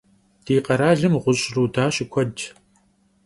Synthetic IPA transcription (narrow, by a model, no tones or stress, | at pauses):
d̥iːqɐɾaːɮɨmʁʷʊɕʼruːdaːɕɪkʷʰɔd͡ʒ